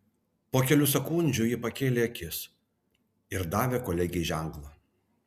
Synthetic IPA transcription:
poːkʲɛlʲusʲɛkʊnʲd͡ʒʲʊjɪpɐkʲeːlʲeɐkʲɪs | ɪɾd̪ɑːʋʲeːkoːlʲɛɡʲɪɛʒʲɛˑŋklˠɐ

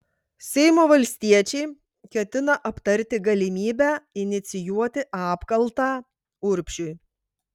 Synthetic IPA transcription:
sʲɛɪmoːʋɐlʲsʲt̪ʲiɛt͡ʃʲɛɪ | kʲɛt̪ʲɪnɐʔɐpt̪ɐɾʲt̪ʲɪɡɐlʲɪmʲiːbʲæɪnʲɪt̪sʲɪjuɔt̪ʲɪʔɑːpkɐlˠt̪ɑː | ʊɾʲpʲʃʲʊj

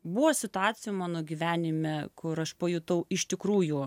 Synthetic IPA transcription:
buʋɐsʲɪt̪ʊɑːt̪sʲɪjumɑːnoːɡʲiːʋʲæːnʲɪmʲɛkʊɾɐʃpɐjʊt̪ɐʊɪʃʲt̪ʲɪkɾuːjʊ

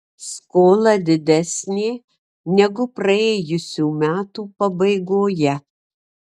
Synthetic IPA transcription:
skoːlˠɐd̪ʲɪd̪ʲɛsʲnʲeː | nʲɛɡʊpɾɐeːjʊsʲuːmʲæːt̪uːpɐbɐɪɡoːjɛ

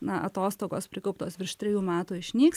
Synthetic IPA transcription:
nɐʔɐt̪oːst̪oːɡoːspʲɾʲɪkɐʊpt̪oːsʋʲɪɾʃt̪ʲɾʲɛjuːmʲæːt̪uːɪʃʲnʲiːks

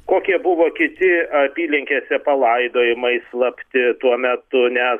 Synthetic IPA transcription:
koːkʲiɛbʊʋoːkʲɪt̪ʲɪɐpʲiːlʲɪŋʲkʲeːsʲɛpɐlˠɐɪd̪oːjɪmɐɪslˠɐpʲt̪ʲɪt̪uɔmʲɛt̪ʊnʲɛ

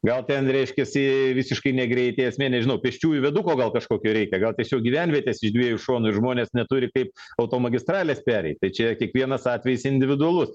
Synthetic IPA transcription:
ɡɐlˠt̪ʲɛnɾʲɛɪʃʲkʲɛsʲɪʋʲɪsʲɪʃkɐɪnʲɛɡɾʲɛɪt̪ʲeɪɐsʲmʲiɛnʲɛʒʲɪnɐʊpʲɛʃʲt͡ʃʲuːjʊʋʲɛd̪ukoːɡɐlˠkɐʃkoːkʲoːɾʲɛɪkʲɛɡɐlˠtʲiɛsʲoːk̚ɡʲiʋʲɛnʲʋʲiɛt̪ʲeːsɪʒd̪ʲʋʲiɛjʊʃoːnʊɪɾʒmoːnʲeːsnʲɛt̪uɾʲɪkɐɪpɐʊt̪oːmɐɡʲɪst̪rɑːlʲeːspʲæːɾʲɛ̰ɪt̚t̪ɐɪt͡ʃʲɛkʲiɛkʋʲiɛnɐsɑːt̪ʲʋʲɛjɪsɪnʲd̪ʲɪʋʲɪd̪ʊɐlˠʊs

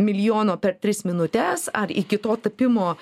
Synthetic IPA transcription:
mʲɪlʲjoːnoːpʲɛɾt̪ʲɾʲɪsmʲɪnʊt̪ʲɛsɐɾikʲɪt̪oːt̪ɐpʲɪmoː

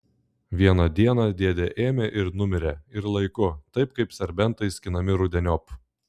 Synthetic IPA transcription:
ʋʲiɛnɐd̪ʲiɛnɐd̪ʲiɛd̪ʲeʔeːmʲeʔɪɾnʊmʲɪɾʲeɪɾlˠɐɪkʊt̪ɐɪp̚kɐɪpsʲɛɾʲbʲɛnˑt̪ɐɪsʲkʲɪnɐmʲɪɾʊd̪ʲɛnʲɔp

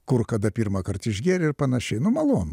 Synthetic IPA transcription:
kʊrkɐd̪ɐpʲiːrmɐkɐrt̪ɪʒʲɡʲæːɾʲɪrpɐnɐʃʲɛɪnʊmɐlˠoːnʊ

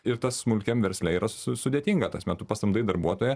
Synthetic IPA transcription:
ɪɾt̪ɐssmʊlʲkʲɛmʋʲɛɾʲsʲlʲɛiːɾɐsʊsʊd̪ʲeɛt̪ʲiːŋɡɐt̪ɐsmʲɛt̪ʊpɐst̪ɐmd̪ɐɪd̪ɐɾbuɔt̪oːjɛ

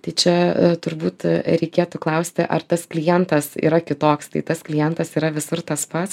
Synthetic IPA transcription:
t̪ɐɪt͡ʃʲɛt̪ʊɾbuːt̪ɾʲɛɪkʲeːt̪ʊklˠɐʊsʲt̪ʲɪʔɐ̰rt̪ɐsklʲɪjɛnt̪ɐsḭːɾɐkʲɪt̪oːkst̪ɐɪt̪ɐsklʲɪjɛnt̪ɐsiːɾɐʋʲɪsʊrt̪ɐspɐt̪s

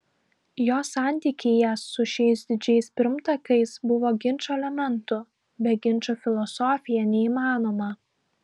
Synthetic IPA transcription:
joːsɑˑnʲt̪ʲiːkʲɪjɛsːʊʃʲɛɪsd̪ʲɪd͡ʒʲɛɪspʲɪɾmt̪ɐkɐɪsbʊʋoːɡʲɪnʲˑt͡ʃʲoːɛlʲɛmʲɛnt̪ʊ | bʲɛɡʲɪnʲˑt͡ʃoːfʲɪlˠɔsɔːfʲɪjɛnʲɛiːmɑːnoːmɐ

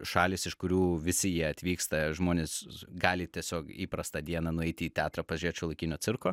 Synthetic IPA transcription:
ʃɑːlʲɪːsɪʃkʊɾʲuːʋʲɪsʲɪjiɛɐt̪ʲʋʲiːkst̪ɐʒmoːnʲeːsɡɑːlʲɪt̪ʲiɛsʲoːkiːpɾɐst̪ɐd̪ʲiɛnɐnʊɛɪt̪ʲɪiːt̪ʲæːt̪ɾɐpɐzʲɾʲiɛt͡ʃʲoːlˠɐɪkʲɪnʲoːt͡s̪sʲɪrkoː

